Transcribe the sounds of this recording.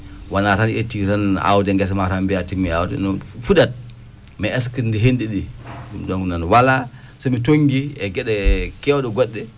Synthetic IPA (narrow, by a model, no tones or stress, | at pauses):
wanatanetːiɾana̰wdɛŋɡɛs̬maɾambiatimːiawdɛ̰nɔfuɗat̚ | mɛɛskindiɦendiɗiumɗɔŋɡunanwala | sɔmitoŋɡiɛɡɛɗɛkɛwɗɔɡɔɗːɛ